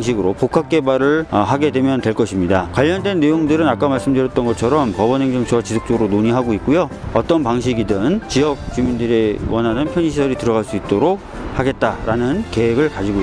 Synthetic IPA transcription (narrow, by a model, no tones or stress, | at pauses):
ŋɕʰiɡɯɾopokʰak̚k͈e̞baɾɯɭɦaɡe̞dwe̞mjʌntwe̞ɭk͈ʌɕʰimɲidakwaʎːʌndwe̞nːe̞joŋdɯɾɯnak͈amaɭs͈ɯmdɯɾjʌt͈̚ʌnɡʌt͡ɕʰʌɾʌmpʌbʌnɦe̞ŋd͡ʑʌmt͡ɕʌt͡ɕisʰok̚t͡ɕ͈oɡɯɾonoɲiɦaɡoit̚k͈ujoʌt͈ʌnpaŋɕ̬ʰiɡidɯnt͡ɕijʌk̚t͡ɕumindɯɾewʌnɦanɯnpʰjʌɲiɕʰisʰʌɾitɯɾʌɣaɭs͈uit̚t͈oɾok̚haɡe̞t̚t͈aɾanɯnke̞ɦeɡɯɭkad͡ʑiɡo